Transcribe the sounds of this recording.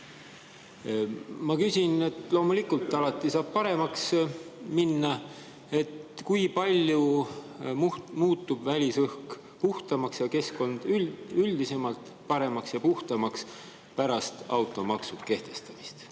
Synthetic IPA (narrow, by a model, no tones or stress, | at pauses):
mɑkysʲine̞t̪lo̞ːmulikult̪ːˑɑlɑt̪ˑːisɑːb̥̚pɑɾe̞mɑksminːɑ | e̞t̪kujpɑlʲju | mumuːt̪ːˑubvælʲisɯhk | puht̪ɑmɑksjɑke̞sko̞nd̪̥yyld̪ise̞mɑlt̪ˑ | pɑɾe̞mɑksjɑpuht̪ɑmɑks | pæɾɑst̪ɑwt̪ˑo̞mɑksud̪̥ke̞ht̪e̞st̪ɑmist̪